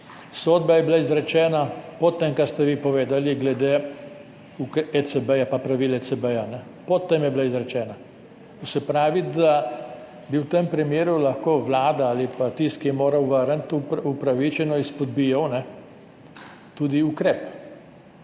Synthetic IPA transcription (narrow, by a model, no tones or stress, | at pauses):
sɔːd̪bajɛblaizɾɛt͡ʃɛːnapɔt̪ːɛmkaɾst̪ɛʋipɔʋeːd̪aliɡlɛd̪eː | ukɛsɛbɛjapapɾaʋiːlɛt͡s̪ɛbəjanɛ | pɔt̪ːemjɛblaizɾɛt͡ʃɛːna | usɛpɾaːʋid̪a | biwt̪empɾimjeːɾulɐxkoːʋlaːd̪aalipat̪ist̪kijɛmoːɾɐwʋəɾənt̪upupɾaʋit͡ʃɛnɔispɔd̪̚bijawnɛ | t̪ud̪iukɾɛːp